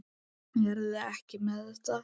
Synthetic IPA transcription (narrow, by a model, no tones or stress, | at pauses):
ɛɾðɛhcɪmɛðɛht̪a